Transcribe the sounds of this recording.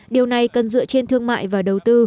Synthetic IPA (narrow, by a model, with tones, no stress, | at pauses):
ɗi˨˩əwna˨˩jkə˨˩nzɨ̰˧˥ət͡ɕe˧nt̪ʰɨ˧əŋma̰ː˧˨jvaː˨˩ɗə˨˩wt̪ɨ˧